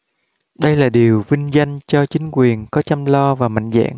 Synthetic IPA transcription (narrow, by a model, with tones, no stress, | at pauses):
ɗə˧jlaː˨˩ɗi˨˩əwvï˧ŋ̟za˧jŋ̟t͡ɕɔ˧t͡ɕï˨˦ŋkwi˨˩ənkɔ˨˦t͡ɕa˧mlɔ˧vaː˨˩ma̰˧˨jŋ̟za̰ː˧˨ŋ